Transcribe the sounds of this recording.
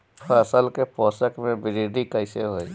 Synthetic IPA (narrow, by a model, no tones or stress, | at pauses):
pɐsəlkepɔːsəkmẽbɪɾiːɖikəɪseɦoːi